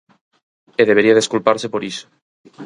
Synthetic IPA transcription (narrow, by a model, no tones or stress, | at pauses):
eðeβ̞eɾiaðeskulpaɾsepoɾiso̥